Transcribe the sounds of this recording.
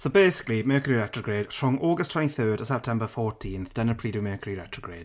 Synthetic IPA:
sobeːsɪ̥klimɜːkʰəɹiɹɛtɹ̥əɡɹeːd̥fɹɔŋʔɔːɡəstʰw̥ɛ̃nĩθɜːdəsɛp̚tʰɛ̃mbəfɔːɹtʰĩːnθd̥ənə̃npʰɹ̥iːdumɜːkʰəɹiɹɛtɹ̥əɡɹeːd̥

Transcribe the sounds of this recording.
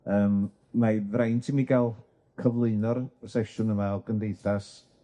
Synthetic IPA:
əːmː | avrajntʰimiɡalˠ | kʰəvlˠɨɨnɔɾɔsɛʃʊnəmaɔɡəndejθas

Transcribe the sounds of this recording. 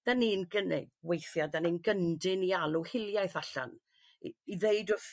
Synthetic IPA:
d̥aniːnɡənɪ̰ɡ̚wejθjadaninɡəndɪnialˠuhɪlˠjajθaɬa̰n | iðeɨdʊθ

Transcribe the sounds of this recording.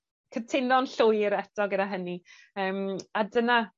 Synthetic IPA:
kʰətʰɪnɔnɬʊjɾɛtʰɔɡədaɦəni | əːmadəna

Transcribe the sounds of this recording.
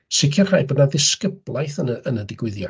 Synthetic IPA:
sɪkʰɔrhaːɨbɔdnaðɪskəblˠajθənəənədɪɡwɪðja̰

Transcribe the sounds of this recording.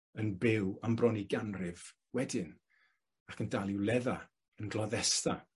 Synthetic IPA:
ənbɪwambrɔniɡanrɪv̥ | wɛdɪn | akʰəndalˠɪwlˠɛða | ənɡlˠɔðɛsta

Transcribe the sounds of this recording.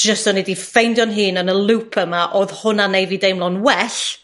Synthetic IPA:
ʒ̥əstɔnɛdifejndjɔnɦɨːnənəlˠupʰəmaʔoːð̥hʊnanejvidejmlˠɔnwɛɬ

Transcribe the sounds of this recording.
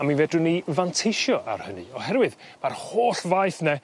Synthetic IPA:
aminvɛdʊnivantʰejʃjɔʔa̰rhənɨ̰ɔhɛɾwɨð | marhoːɬvajθnɛ

